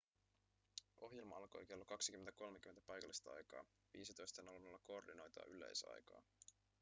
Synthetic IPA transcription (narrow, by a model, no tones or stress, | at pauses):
ʔo̞ɦje̞lmɑɑlko̞̰jke̞lːokɑksik̟ymːent̪æko̞lmek̟yment̪æpɑjkɑlːist̪ɑɑ̰jkɑ̰ː | ʋiːsit̪o̞jst̪enɑlunːolːɑko̞ːrdino̞jt̪ɑ̰ːʔylḛjsɑ̰jkɑ̰ː